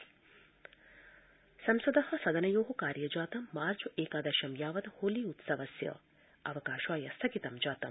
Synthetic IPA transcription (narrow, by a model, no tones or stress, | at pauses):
sɐmsɐd̪ɐhɐ̆sɐd̪ɐnɐjoːɦɐkaːɾjɐd͡ʒaːt̪ɐmːaːɾt͡ʃuʔeːkaːd̪ɐʃɐmjaːʋɐd̪hoːliːut̪sɐʋɐsjɐ̰ | ɐʋɐkaːʃʋaːjɐst̪ʰɐkit̪ɐmd͡ʒaːt̪ɐm